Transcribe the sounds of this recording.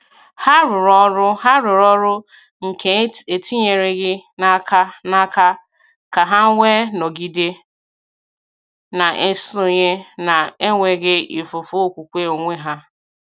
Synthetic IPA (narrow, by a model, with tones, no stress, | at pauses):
ha˦ɾʊ˨ɾɔ˦ɾʊ˦ɦa˦ɾʊ˨ɾɔ˦ɾʊ˦ | ŋ̩˨ke˨˦e˨tʰi˦ɲe˨ɾe˦ɣɪ˦na˦kʰa˦na˦ka˦ | ka˨ɦa˦ŋʷe˦no˨ɡi˨de˦ | na˨ʔe˦so˨ɲe˦na˨e˦ŋʷe˨ɡɪ˦i˨fʊ˨fo˦o˦˨kʷu˨kʷe˦o˨ŋʷe˦ɦa˦